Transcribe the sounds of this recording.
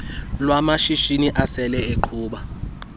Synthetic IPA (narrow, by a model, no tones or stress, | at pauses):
lwamaʃiʃiniʔasɛlɛeǃʰuːɓa